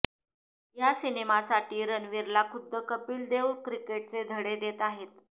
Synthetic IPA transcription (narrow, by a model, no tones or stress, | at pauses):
jasinemasaʈiːɾənʋiɾlakʰud̪ʱːəkəpiːld̪euɽkɾikeʈ̚t͡sed̪ʱəɽed̪et̪aɦet̪